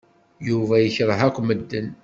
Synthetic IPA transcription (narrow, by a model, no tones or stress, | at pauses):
juvæjəçɾˤəɦækʷːməd̪ːən